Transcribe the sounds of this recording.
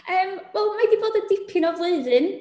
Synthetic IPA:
əːmwɛlˠmadiboːdədɪpʰɪnɔvlˠeɨðɨn

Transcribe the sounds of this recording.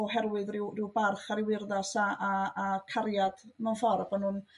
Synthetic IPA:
ɔɦɛrwɨðrɪwrɪwbarχaɾɪwɪrðasaʔaːkʰaɾjad̥manfɔrbɔnun

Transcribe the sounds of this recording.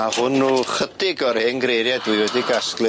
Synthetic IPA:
ahʊnːuːχədɪɡɔrhɪnɡɾejɾjadwiɨwɛdiɡasklˠɪ

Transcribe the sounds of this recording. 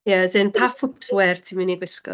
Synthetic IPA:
jəzɛnpʰafʊp̚tʰwɛrtʰiminiɡwɪskɔ̰

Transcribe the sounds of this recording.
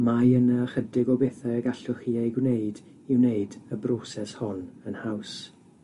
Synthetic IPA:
majənəχədɪɡɔbeːθɛəɡaɬʊχiːejɡwneɨd | iwneɨdəbrosɛshɔnənhaws

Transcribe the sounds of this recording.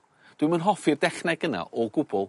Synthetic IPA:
d̥wɪmənɦɔfirdɛχnɛɡəna̰ʔɔɡʊbɔlˠ

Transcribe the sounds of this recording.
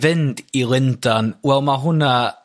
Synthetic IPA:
vɪndilˠɪndanwɛlˠmaɦʊna

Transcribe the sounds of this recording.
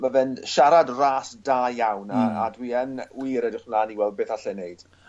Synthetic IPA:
mavɛnʃaɾadraːsdaːjawnaa̰dwiːənwiːɾɛdɪχnlaːniwɛlˠd̚bɨːθaɬɛneɨd̥

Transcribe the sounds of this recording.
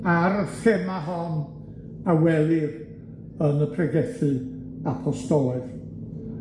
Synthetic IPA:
aɾəθɪmaɦɔn | awɛlˠɪr | ənəpʰrɛɡɛθɨ | apʰɔstɔɨð̥

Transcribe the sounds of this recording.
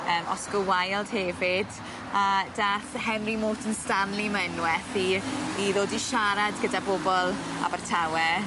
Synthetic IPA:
əːmʔɔ̰sɡ̥əwajlˠd̥hɛvɪd | adaːθhɛmrimoːtʰənstanlimɛnwɛθiːðoːdiʃaɾadɡədabobɔlˠa̰bartʰawɛ

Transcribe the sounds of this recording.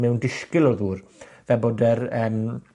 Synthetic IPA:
mɛwndɪskɪlɔðuːr | vɛboːdɛrəːm

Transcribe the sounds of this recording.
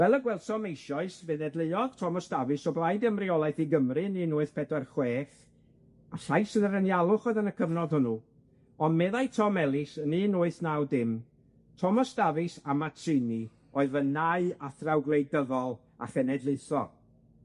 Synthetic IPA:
vɛlˠəɡwɛlˠsɔmejʃɔɨsvɨðɛdlˠɪjɔð̥tʰɔmɔsd̥avɨsɔblˠajdəmriɔlˠaɨθiɡəmrɨniːnʊːɨθpʰɛdɛrχweːθ | aɬajsɨðəɾənjalˠʊχɔɨðənəkʰəvnɔdhʊnu | ɔnmɛðajtʰɔmɛlˠɪsəniːnʊːɨθnawdɪm | tʰɔmɔsd̥avɨsamatʰɨni | ɔɨðənaɨaθrawɡlˠejdəðɔlˠ | a̰χənɛdlˠɨθɔ̰

